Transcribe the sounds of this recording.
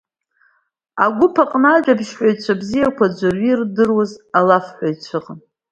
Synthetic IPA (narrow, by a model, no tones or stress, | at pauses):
aɡʷʊpʰaqʼnaʒᶣabʃħʷᶣajt͡ʃʷʰabzijakʷʰad͡ʒʷarɥirdɨrwazalafħʷᶣajt͡ʃʷʰɨqʼn